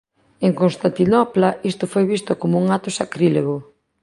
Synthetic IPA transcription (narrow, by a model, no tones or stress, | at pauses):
eŋkonst̪ant̪inɔplaist̪ʊfojβist̪ʊkomouŋat̪ʊsakɾileɣo